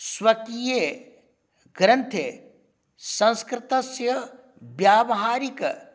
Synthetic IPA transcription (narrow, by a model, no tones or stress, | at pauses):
swɐkije | ɡɾɐnt̪ʰe | sɐ̃nskɾɪt̪ɐsjɐ | bjaːbɦaːɾik